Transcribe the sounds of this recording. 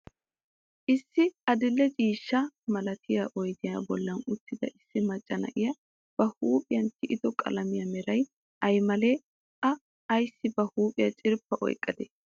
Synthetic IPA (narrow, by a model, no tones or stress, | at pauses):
ʔɪsːɪʔɐd̪ɪlːɛt͡ʃʼiːʃːɐmɐlɐt̪ʰɪjaʔɔjd̪ɪja̰ːbɔlːɐnʊt̪ːɪd̪ɐʔɪsːɪmɐt͡ʃʼːɐnɐ̰ʔɪjɐ | b̥ɐhuːpʼɪjɐnt̪ʰɪʔɪd̪ɔkʼɐ̰lɐmɪjɐmɛɾɐj | ʔɐjmɐle | ʔɐː | jsːɪbɐhuːpʼɪjɐt͡ʃʼɪɾpːɐʔɔ̰jkʼːɐd̪ɛ